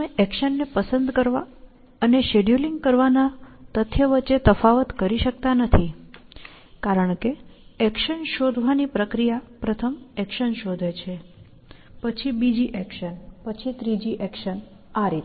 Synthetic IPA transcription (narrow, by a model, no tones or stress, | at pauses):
eʔɛkʃənːepəsənd̪kəɾʋa | əneʃeɖjuliŋɡkəɾʋanat̪ət̪ʰjəʋət͡ʃːet̪əfaʋət̪kəɾiʃək̚t̪anət̪ʰi | kaɾəɳkeɛkʃənʃod̪ʱʋanipɾəkɾijapɾət̪ʰəmɛkʃənʃod̪ʱet͡ʃʰe | pət͡ʃʰibid͡ʒiʔɛkʃənpət͡ʃʰit̪ɾid͡ʒiʔɛkʃən | aɾit̪